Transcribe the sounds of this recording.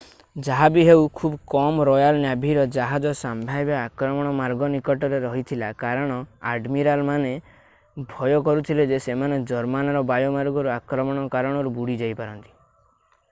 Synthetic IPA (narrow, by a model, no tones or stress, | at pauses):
d͡ʒaɦabiɦewkʰubkɔmɔɾɔjalnjabʱiɾɔd͡ʒaɦad͡ʒɔsambʱajbaakɾɔmɔɽ̃ɔmaɾɡɔnikɔʈɔɾeɾɔɦit̪ʰilakaɾɔɽ̃ɔa̰ɖmiɾalmane | bʱɔjɔk̬ɔɾut̪ʰiled͡ʒesemaned͡ʒɔɾmanɔɾɔbajɔmaɾɡɔɾuakɾɔmɔɽ̃ɔkaɾɔɽ̃ɔɾubuɽid͡ʒajpaɾɔnt̪i̥